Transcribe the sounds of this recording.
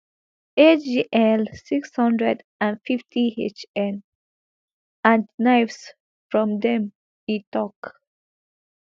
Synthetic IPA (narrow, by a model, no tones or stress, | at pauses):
ed͡ʒiʔɛlsikshʌ̃ndɹɛd | ãnfiftʰiet͡ʃɛ̃n | ãndnaɪfs | fɹɔ̃md̪ɛ̃m | itɔk